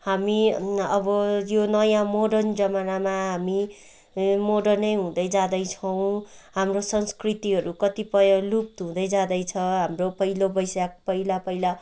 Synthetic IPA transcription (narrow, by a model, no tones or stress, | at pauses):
hamiʌbʌjonʌjãmoɖʌnd͡zʌmanamaɦami | moɽʌnʌjɦũd̪ʌjd͡zãd̪ʌjt͡sʰʌw̃ɦamrosʌnskrit̪iɦʌɾukʌt̪ipʌjʌlup̚t̪ɦũd̪ʌjd͡zãd̪ʌjt͡sʰʌɦamropʌɦilobʌjsak̚pʌilapʌila